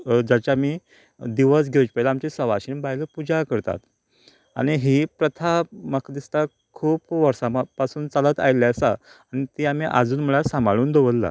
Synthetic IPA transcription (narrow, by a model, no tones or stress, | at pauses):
d͡ʑat͡ɕjamiː | d̪iʋəsɡʱet͡ɕpəlaamt͡ɕesəʋaɕiːnbaɦjləpud͡ʑakəɾt̪a̰t̪ | a̰ɽ̃iɦiːpɾət̪ʰaməkd̪ist̪a | kʰuːpʋəɾsamapasuːnt͡salət̪a̰jlaəsa | aɽ̃it̪iam̤iːʔa̰d͡zuːnm̤əɭasãmbaɭuːnd̪oʋəlːa̰